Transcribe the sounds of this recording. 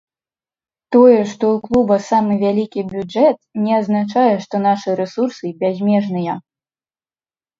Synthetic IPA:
t̪ɔjɛʂt̪ɔuklˠubɐsamɨvʲalʲikʲibʲud͡ʐɛt̪̚nʲɛaznat͡ʂajɛʂt̪ɔnaʂɨɾɛsursɨbʲazʲmʲɛʐnɨjɐ

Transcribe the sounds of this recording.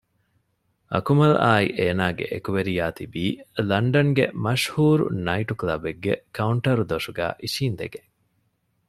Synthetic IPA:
ɐ̰kumɐlaːḭʔeːnaːɡḛʔekuʋeɾijaːt̪ibiːlɐɳɖɐŋɡḛmɐʃhuːɾṵnɐiʈuklɐbeɡːḛkɐuɳʈɐɾud̪oʃuɡæ̰ːʔiʃiːnd̪ḛɡe

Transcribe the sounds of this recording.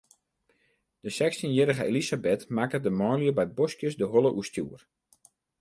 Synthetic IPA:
d̥əsɛkstinjɪɾəɣəelizabɪtmakədəmɔːljəbɛjt̚boskjəsdəɦolˠəʔuəstjuːər

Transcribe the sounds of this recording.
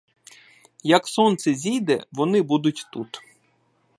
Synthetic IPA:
jɐksɔnt̪sɛzʲijd̪ɛ̰ʋɔnɪbud̪ʊtʲt̪ut̪

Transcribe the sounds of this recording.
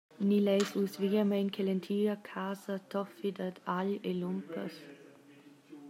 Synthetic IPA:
nilɛjsusviɡəmɛnkʰelent̪ʰiːəkʰaːzət̪ʰɔfid̪əd̪alelumpʰəs

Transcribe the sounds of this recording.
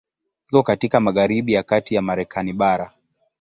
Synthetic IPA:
hikɔkatikamaɣaɾiɓijakatijamaɾɛkʰaniɓaɾa

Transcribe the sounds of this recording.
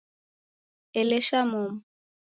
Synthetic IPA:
ɛlɛʃamum

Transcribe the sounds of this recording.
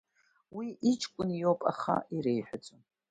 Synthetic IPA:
wiʔit͡ʃʰkʷʼʊnjopʼa̰χa̰iɾejħʷᶣat͡sʷʼo

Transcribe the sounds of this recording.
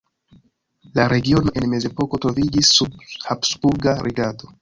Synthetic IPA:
laɾe̞ɡio̞no̞ʔe̞nme̞ze̞po̞ko̞tɾo̞vid͡ʒisːubhapsbuɾɡaɾʔiɡado̞

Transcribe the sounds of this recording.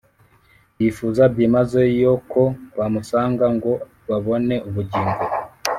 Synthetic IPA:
jifuzabɟimazojo̞kʰo̞βamusaːŋɡaŋɡo̞ | βaβo̞ne̞uβuɟiːŋɡo

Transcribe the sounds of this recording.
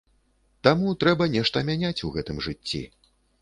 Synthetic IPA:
t̪amut̪ɾɛbɐnʲɛʂt̪ɐmʲanʲat͡sʲuɣɛt̪ɨmʐɨt͡sʲːḭ

